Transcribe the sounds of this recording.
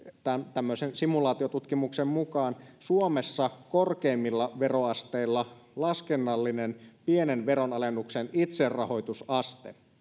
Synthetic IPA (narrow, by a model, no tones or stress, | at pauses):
t̪ænt̪æmːøsensimulɑːt̪io̞t̪ut̪kimuksemmukɑːnsuomesːɑkorkeːmːilːɑʋe̞ro̞ɑst̪eilːɑlɑskenːɑlːinenpienenʋe̞ɾo̞nɑlenːuksenit̪serrɑho̞jt̪usɑst̪ḛ